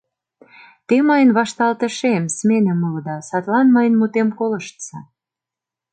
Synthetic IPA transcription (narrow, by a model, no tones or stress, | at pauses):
t̪emɤjənβɑʃt̪ɑlt̪ə̆ʃemsmenə̆mold̪ɑsɑt̪lɑnməjənmut̪emkolə̆ʃt̪ə̥sɑ